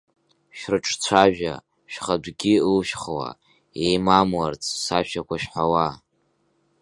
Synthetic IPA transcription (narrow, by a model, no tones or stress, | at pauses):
ʃᶣrɨʈ͡ʂʰt͡ɕʷʰaʒᶣa̰ | ʃᶣχadɡʲiɨlʃᶣχwa̰ | ejmamwart͡sʰʼsaʃᶣakʷʰaʃᶣħawa